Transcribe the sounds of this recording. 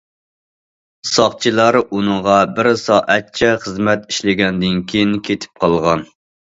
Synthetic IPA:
sɑχt͡ʃʰilˠɑɾunɨŋʁɑbɪɾsɑːʔɛt̪̚t͡ʃʰɛχəzmɛt̪i̥ʃlɪɡʲɛnd̪ɪnkʲʰejinkʲʰet̪ʰɪ̥p̚qʰɑlˠʁɑn

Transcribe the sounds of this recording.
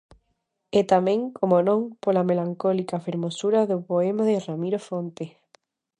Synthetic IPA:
et̪amẽŋkomonõŋpolamelaŋkolikafeɾmosuɾaðopoemaðeramiɾofont̪e

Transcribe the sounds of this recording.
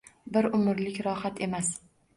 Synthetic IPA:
bɪɾʊmɪɾlɪkʲɾɒhat̪ʰe̞mas

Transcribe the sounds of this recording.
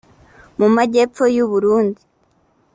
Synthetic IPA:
mumaɟe̞pp͡fo̞juβuɾuːndi

